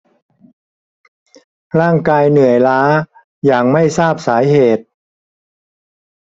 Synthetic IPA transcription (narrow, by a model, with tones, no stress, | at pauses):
ɾaː˥˩ŋkaː˧jnɯ˨˩əjlaː˦˥ | jaː˨˩ŋma˥˩jsaː˥˩p̚saː˩˦jɦeː˨˩t̪̚